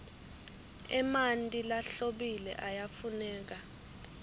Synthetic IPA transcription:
ɛmantʼilaɬoɓilɛ̰ʔajafunɛːk̬a

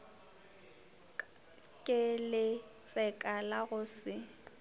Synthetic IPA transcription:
kʼɪlɪt͡sʼɛkʼalaɣʊsɪ

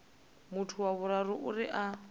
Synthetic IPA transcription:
mʊtʰʊwaβʊɾarʊʔʊrɪʔa

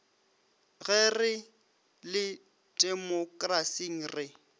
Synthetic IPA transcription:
ɣɛrɪ | lɪ | dʼɛmɔkʼrasiŋ̩rɪ

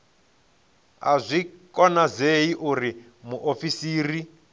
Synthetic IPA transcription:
a̰zʷikɔnazeiʔuri | muʔofisiːri

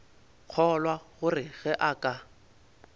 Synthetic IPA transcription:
k͡xʰɔlwaɣʊrɪɣɛʔakʼa

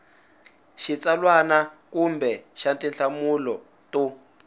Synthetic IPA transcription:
ʃit͡salwanakumbɛʃantinɬamulɔ | tɔ

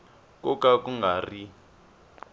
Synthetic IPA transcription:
kɔkʼakuŋɡari

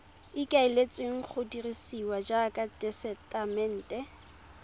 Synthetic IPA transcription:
ɪkʼaɪlet͡sʼweŋ̩k͡xʰʊdirisiwad͡ʒakʼadɛsɛtʼamɛn̩ːtʼɛ

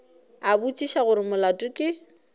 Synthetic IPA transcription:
abut͡ʃʼiʃaɣʊɾɪmʊlatʼʊkʼɪ

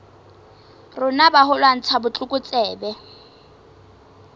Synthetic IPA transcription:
rʊnabaɦʊlwan̩t͡sʰabʊt͡ɬʼʊkʼʊt͡sʼɛːbɛ

